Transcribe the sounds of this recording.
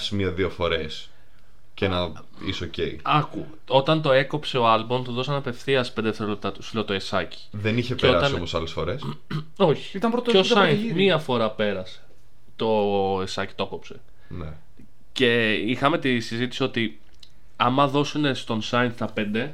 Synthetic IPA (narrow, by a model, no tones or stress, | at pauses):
simiɐðiofo̞ɾe̞s | cenɐ | isocḛiɐku | o̞t̪ɐnt̪o̞e̞ko̞pse̞oɐlbomt̪oðo̞sɐnɐpe̞fθiɐspend̪eft̪eɾolep̚t̪ɐt̪u̥slot̪oesɐci̥ðeniçepeoɾɐst̪ɐsiomosɐlesfo̞ɾes | oçi̥it̪ɐmpɾot̪eosɐinmiɐfo̞ɾɐpe̞ɾɐse̥ | t̪o̞esɐci̥t̪oko̞pse̞ | nḛ | ce̞ixɐme̞t̪isizit̪isio̞t̪i | ɐmɐðo̞sune̞st̪o̞nsɐjnst̪ɐpe̞nd̪e̞